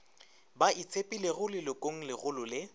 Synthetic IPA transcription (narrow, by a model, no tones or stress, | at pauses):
bait͡sʰepʼileɣʊlɪlʊkʼoŋ̩lɪɣʊlʊlɪ